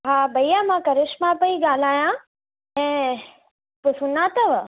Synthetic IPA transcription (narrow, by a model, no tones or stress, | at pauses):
ɦaːbɐijamãkɐɾɪʃmãpɐiɡaːl̤aːjã | ɛ̃ː | pʊsunãːt̪ɐʋ